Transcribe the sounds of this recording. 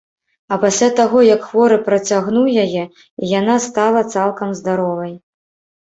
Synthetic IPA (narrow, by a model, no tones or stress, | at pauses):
ɐpasʲlʲat̪aɣɔjɐkxvɔɾɨpɾɐt͡sʲaɣnuwjajɛ | ijan̪ast̪alˠɐt̪salˠkɐmzd̪aɾɔvɐj